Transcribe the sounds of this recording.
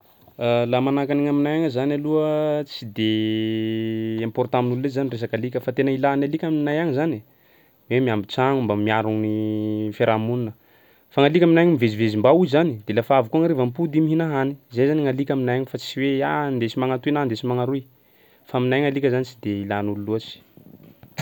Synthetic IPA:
alamanakaniŋaminajaŋəzanaluət͡sid̪e | mpɔrt̪aminullezanires̬akalikʲəfat̪enəilanalikʲaminajaŋizani | wemiambit͡saŋumbamiaɾuŋnifeɾamuninə | faŋalikʲaminajaɲimivezivezimbauzizanid̪̥elafaavukuaŋaɾevampud̪imiɦinaɦani̥zejzaniŋalikʲaminajaɲifat͡siweand̪et͡ʃimaŋat̪uinand̪et͡ʃimaŋaɾui | faminajŋalikʲəzanit͡ʃid̪eilanululuat͡si̥

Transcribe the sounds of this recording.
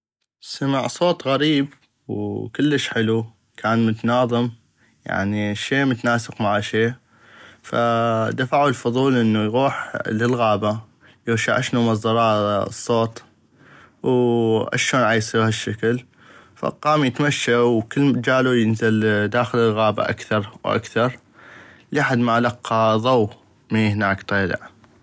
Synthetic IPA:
samaʕsˤoːt̪ˤɣaɾiːb | wkəlːəʃħɪlu | kʰaːnmʊt̪nɑːðˤɨm | ja̰ʕniʃeːmʊt̪naːsɪqmaʕaʃeː | fa̰d̪afaʕulfʊðˤuːlʔənːujɣuːħləlɣaːba | jɪɾʃa̰ʕaʃnumɑzˤd̪ɑɾˤɑ̰ːsˤːoːt̪ˤ | wʔa̰ʃoːnʕaːjsˤiːɾhaʃːakl | fa̰qɑːmjət̪maʃːawkəlːd͡ʒaːlujɪnzɪld̪aːxɪlɪlɣaːba̰ʔa̰kθɑɾˤwʔa̰kθɑɾˤ | liħad̪maʔlɑqːɑðˤɑw | miːhnaːkt̪ˤeːlɪ̰ʕ

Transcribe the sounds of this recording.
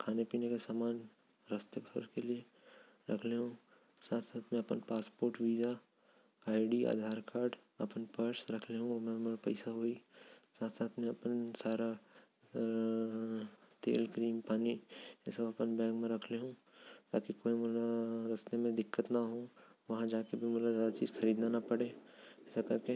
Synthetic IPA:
kʰaːnepiːnekesaːmaːn | ɾɐst̪ebʱə̰ɾkelie | ɾɐ̰kʰleɦũː | saːt̪ʰsaːt̪ʰmẽɐpənpaːspoːɾʈʋiːd͡ʒa | aːɪɖia̰ːd̪ʱaːɾkaːɾɖ | ɐ̰pənpəɾsɾɐkʰleɦũmẽmeɾapɛ̰ɪsaɦoːisaːt̪ʰsaːt̪ʰmẽɐpənsaːɾa | t̪ḛːlkɾiːmpaːniɛ̰seɐpənbɛ̃ːŋɡmẽɾɐkʰleɦũː | t̪a̰ːkikoːimʊlaɾɐst̪emẽd̪ɪkːət̪naɦõːʋɐɦãd͡ʒaːkebʱimʊlazaːd̪at͡ʃḭːzxʰɐɾiːd̪nanapɐɽeɛːsakɐɾke

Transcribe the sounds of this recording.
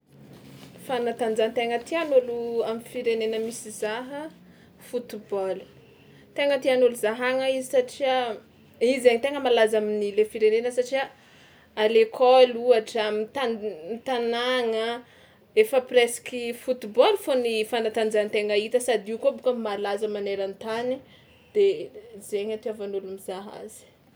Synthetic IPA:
fanat̪and͡zant̪eŋət̪ianuluamifiɾenenəmisizaɦə | fut̪ibɔlu̥ | t̪eŋət̪ianuluzaɦaŋaizisaʈ͡ʂia | izaɲit̪eŋəmalazaminilefiɾenenəsaʈ͡ʂia | alekʰɔluaʈ͡ʂamit̪amit̪anaŋə | efəpresi̥kʲifut̪ibɔlfonifanat̪and͡zant̪eŋait̪əsad̪iukobukəmalazəmaneɾant̪ani | d̪̥ezeɲat̪iavanulumizaɦa̰zi̥

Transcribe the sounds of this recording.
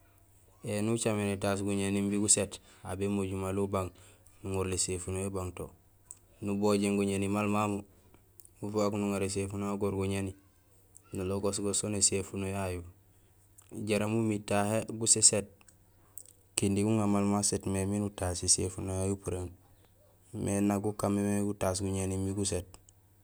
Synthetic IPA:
enut͡ʃamenetas̬ɡuɲenimbiɡusetabemoɟumalubaŋnuŋuɾlesefunojobaŋto̰ | nuboɟeŋɡuɲenimalmamu | ufoaknuŋaɾes̬efunoaɡoɾɡuɲeni | naloɡosɡosonesefunojaju | ɟeɾamumitaheɡuseset̚ | kindiɡuŋamalmasetmeminutasisḛfunojajupuɾen | mʔenaɡukamemeɡutasɡuɲenimiɡuset̚

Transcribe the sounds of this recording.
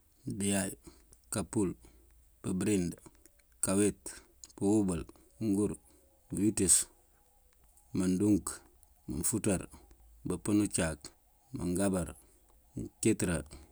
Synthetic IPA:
bijaj | kapul | bəbɾind | kawet | puwubal | uŋɡuɾ | bjutis | manduŋk | mə̰nfutaɾ | bəpənut͡ʃak | mə̰ŋɡabaɾ | mketɾa

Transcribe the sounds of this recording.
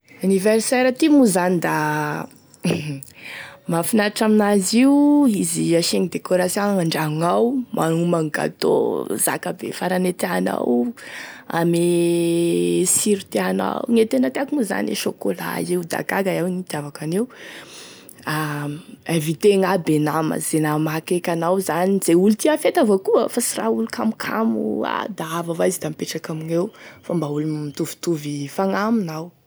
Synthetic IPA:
anivɛɾsɛɾat̪imuzanid̪a | mafinaaʈ͡ʂaminaziuiziaʃeŋid̪ekoɾasiaŋaɳɖ͡ʐaŋawmʔanumaŋɡa̰t̪o̰za̰kabḛfaɾanet̪eana̰w | a̰me | siɾit̪eana̰wŋet̪enət̪eakunuza̰nḛʃokola̰ewd̪a̰ɡaɡaawŋit̪iavakanew | a | ẽvit̪eŋabenamə̰zenamakekʲanawzanizeulut̪iafet̪avəkuəfasiraulukʰamukʰamua̰d̪aavavajzid̪ampeʈ͡ʂakamiɲewfambaulumit̪uvi̥t̪uvifaŋaminaw

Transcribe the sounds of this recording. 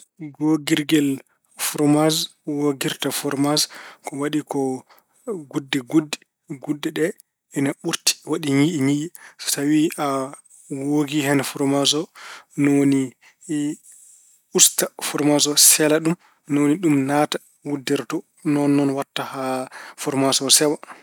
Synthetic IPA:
ɡoɡiɾɡɛl | fuɾmazwoɡiɾtafɔɾmazkɔwaɗikɔ | ɡudːɛɡudːɛ | ɡudːɛɗɛ | ɛnaɓuɾti̥waɗiɲiʔiɲiʔisawiʔa | woɡiɦɛnfuɾmazɔnɔni | ustafɔɾmasɔsɛlaɗum | nɔniɗumnata | wudːɛɾtɔ | nɔnːɔnwatːahafɔɾmasɔsɛwa

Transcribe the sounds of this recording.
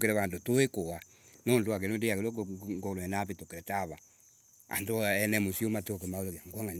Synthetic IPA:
keɾɛβandotoekowa | nɔndoak̬enondeakelɔɡoloɛnapetokeɾɛtaβa | a̰ndoɛnɛmosiomatokemaoloɣjaŋɡwaŋa

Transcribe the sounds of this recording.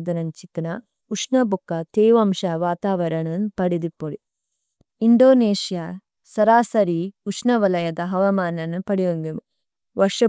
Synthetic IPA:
d̪ɐnɐnt͡ʃit̪ɐnɐ | uʂnɐbukːɐt̪eːʋɐmʃɐʋaːt̪aːʋɐɾɐɳɐnːupɐɽid̪ipːoɭi | iɳɖoːneːʃja | sɐɾaːsɐɾiuʂnɐʋɐlɐjɐd̪ɐɦɐʋɐmaːnɐnːupɐɽijoŋɡimu | ʋɐʂɐ

